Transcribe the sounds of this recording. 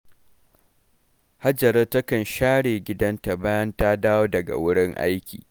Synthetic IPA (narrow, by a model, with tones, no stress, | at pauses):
ha˦d͡ʒɐ˨ɾɐ˦tɐ˦kɐ˨nʃaː˦ɽeː˨ɡʲɪ˦dɐ˦nta˨baː˦jɐ˦ntaː˦daː˦woː˦dɐ˨ɡa̰˨wʊ˦ɽɪ˦ŋʔa̰˦jkʲḭː˨